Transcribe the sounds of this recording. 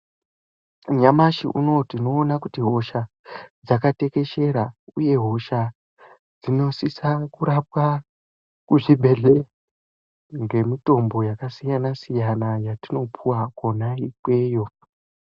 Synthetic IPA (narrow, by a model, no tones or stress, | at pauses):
ɲamaʃḭʔṵno̞tino̞ːnakutiɦo̞ʃa | d͡zakate̞ke̞ʃe̞ɾauje̞ɦo̞ʃa | d͡zino̞sisakuɾap̚wa | kuʐibʱe̞ɮe | ŋɡe̞mito̞mbo̞jakasijanasijanajatino̞pʰuwakonaikwe̞ːjo̞